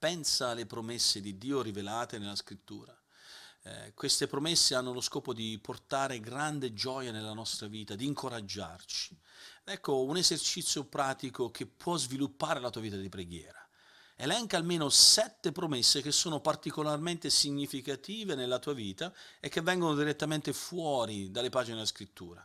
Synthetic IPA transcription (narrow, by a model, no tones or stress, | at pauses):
pɛnsalepɾomesːed̪id̪ːiːoɾivelaːt̪enelːaskɾit̪ːṵːɾa̰ | kwest̪epɾomesːeanːoloskɔːpod̪iport̪aːɾeɡɾand̪ed͡ʒɔːjanelːanɔst̪ɾaviːt̪ad̪iːŋkoɾad͡ʒːa̰rt͡ʃi̥ɛkːounezert͡ʃit̪sːjopɾaːt̪ikok̟epːwɔzvilupːaːɾelat̪uːaviːt̪ad̪ipɾeɡjɛ̰ːɾa | elɛŋkaːlmeːnosɛt̪ːepɾomesːek̟esːoːnopart̪ikolarment̪esiɲːifikat̪iːvenelːat̪uːaviːt̪aekːevːɛŋɡonod̪iɾet̪ːament̪efwɔːɾid̪alːepaːd͡ʒineskɾit̪ːṵːɾa̰